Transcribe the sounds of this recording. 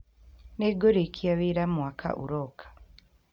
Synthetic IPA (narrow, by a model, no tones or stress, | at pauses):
neɡoɾekʰiaβeɾamwakʰa̰ʔṵɾokʰḁ